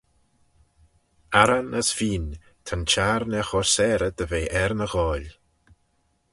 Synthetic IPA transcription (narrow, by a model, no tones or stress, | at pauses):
aɾanəsfiːn | t̪ʰant͡ʃaɾnɛxɔsɛːɾəd̪əveːʔɛɾnəɣɔːlʲ